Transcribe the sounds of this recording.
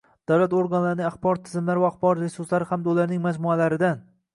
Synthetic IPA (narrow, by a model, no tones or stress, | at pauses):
d̪̥awlat̪oɾɡanlaɾnɪŋaχbɒɾt̪ʰɪzɪmlaɾvaːχbɒɾɾesʊslaɾɪhamd̪aʊlaɾnɪŋmad͡ʒmʊalaɾɪd̪an